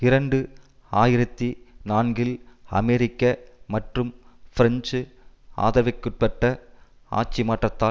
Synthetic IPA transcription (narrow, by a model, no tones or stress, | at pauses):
ɪɾɐɳɖɯ | aːjɪɾɐt̪ːinaːnɡɪlɐ̰mɛɾɪkːɐmɐʈrɯmfɪɾɐnd͡ʒɯ | a̰ːðɐʋɐkːɯʈ̚pɐʈːɐ | a̰ːt͡ʃːimaːʈrɐt̪ːaː